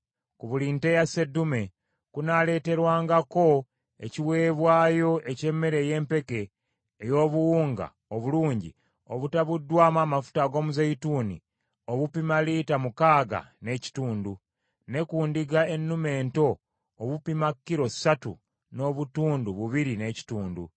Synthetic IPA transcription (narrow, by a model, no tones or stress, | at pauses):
kuβuliːnte̞jase̞dume̞ | kunale̞ːte̞ɾwaːŋɡako̞ | e̞̰ciwe̞ːβwaːjo̞ʔe̞ce̞mːe̞ɾe̞je̞ːmpe̞ke̞ː | jo̞ːβuwuːŋɡa̰ | oβuluːɲɟḭ | oβutaβudːwaːmaːmafu̥taɡo̞ːmuzejituːnḭ | oβupimaliːtamukaːɡa̰ne̞ci̥tuːndu | ne̞kuːndiɡae̞nːume̞ːnto̞ː | βupimakːiɾo̞satṵ | no̞ːβutuːnduβuβiɾine̞ci̥tuːndṵ